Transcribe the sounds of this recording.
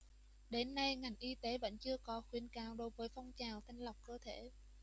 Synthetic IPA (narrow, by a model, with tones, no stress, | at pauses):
ɗe˨˦nːa˧jŋa˨˩jŋ̟ʔi˧t̪e˨˦ɓə̰˧˨jŋ̟t͡ɕɨ˧əkɔ˨˦xwi˨˧˩ənkaː˨˩wɗo˨˦jvəː˨˦jfɔ˧wŋ͡mt͡ɕaː˨˩wt̪ʰï˧ŋ̟lə˨˩wk͡p̚kəː˧t̪ʰe˧˩